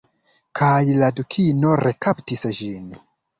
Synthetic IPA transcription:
kʰajladukʰinoɾekaptisʒin

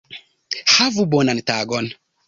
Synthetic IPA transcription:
havubɔnantaɡɔn

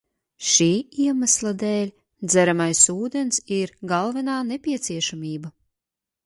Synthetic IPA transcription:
ʃiːiɛmaslˠad̪ɛːlʲ | d̪zæɾamajsuːd̪ɛnsiɾɡalˠvɛnaːnɛpʲiɛt̪siɛʃamiːba

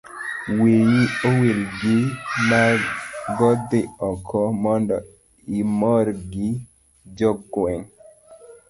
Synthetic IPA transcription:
wejiowelɡɪmaɡɔd̪ɪɔkʰɔmɔndɔ | imɔɾɡɪ | d͡ʒɔɡwɛŋ

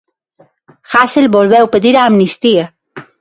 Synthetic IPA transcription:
xaselbolβewpeðiɾaːmnist̪ia

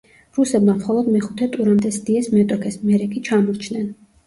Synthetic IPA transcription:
ɾusɛbmamχɔlˠɔd̪mɛχut̪ʰɛt̪ʼuɾand̪ʼɛsd̪iɛsmɛt̪ʼɔkʰɛsmɛɾɛkʼit͡ʃʰamɔɾt͡ʃʰnɛn

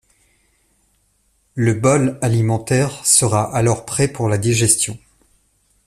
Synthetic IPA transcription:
ləbɔlalimɑ̃t̪ɛʁsəʁaʔalɔʁpχɛpuʁlad̪iʒɛst̪jɔ̃

